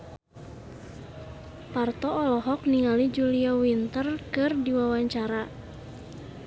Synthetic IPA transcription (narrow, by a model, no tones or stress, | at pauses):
part̪ɔɔlɔɦɔk̚niŋalid͡ʒuliawint̪ərkɨrdiwawaɲt͡ʃaɾa